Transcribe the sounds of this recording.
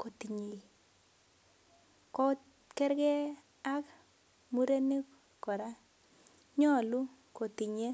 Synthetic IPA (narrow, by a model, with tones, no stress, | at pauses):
ko˨ti˨ɲe˨ | kɔ˦ | kɛ˦ɾɡɛ˦ | a˦k | mu˦ɾe˦ne˦k | kɔ˨ɾa˦ | ɲɔ˦˨lu˦ | ko˨ti˨ɲe˦